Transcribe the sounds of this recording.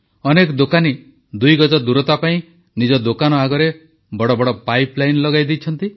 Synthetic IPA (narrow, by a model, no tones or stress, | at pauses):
ɔnekɔd̪okani | d̪ujɡɔd͡ʒɔd̪uɾɔt̪apaĩ | nid͡ʒɔd̪okanɔaɡɔɾe | bɔɽɔbɔɽɔpajplajnlɔɡajd̪it͡ʃʰɔnt̪i